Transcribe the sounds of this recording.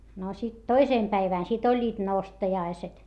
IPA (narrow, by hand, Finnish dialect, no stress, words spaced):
no sit toiseˑm pæiʋæˑn sit olʲːiːt nostɑjɑiset